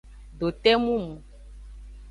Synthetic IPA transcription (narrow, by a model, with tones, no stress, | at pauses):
ɖo˨t̪ɛ˦mũ˦mũ˨